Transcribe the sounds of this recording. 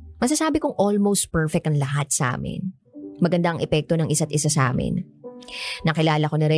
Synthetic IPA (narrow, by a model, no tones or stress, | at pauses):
mɐs̬ɐsaːbɪkʊŋʔolmowst̪̚pɛɹfɛk̚t̪ɐŋlɐɦat̪̚sɐʔa̰ːmɪ̰n | mɐɡɐnd̪aʔɐŋʔɛpɛk̚t̪o̞nɐŋʔɪsat̪ʔɪsasɐʔa̰ːmɪ̰n | nɐkɪlaːlɐko̞nɐɾɛ